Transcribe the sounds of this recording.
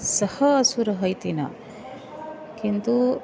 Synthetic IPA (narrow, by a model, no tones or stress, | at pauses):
sɐhɐɐsuɾɐɦɐjt̪inɐ̰ | kint̪u